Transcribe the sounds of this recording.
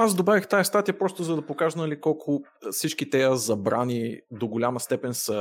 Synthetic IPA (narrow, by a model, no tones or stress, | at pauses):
azd̪obavixt̪ajɐst̪at̪ijəpɾɔst̪ʊzɐd̪ɐpokaʒnɐlikɔlˠkʰʊ | fsit͡ʃkit̪ɛjəzɐbɾanid̪oɡolʲaməst̪ɛpɛnsə